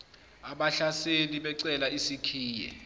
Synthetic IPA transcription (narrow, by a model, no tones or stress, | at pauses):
aɓaɬaseniɓɛǀɛlaisikʰiːjɛ̰